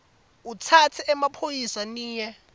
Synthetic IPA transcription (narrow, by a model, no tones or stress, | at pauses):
utʰatʰiɛmapʰojisaniːjɛ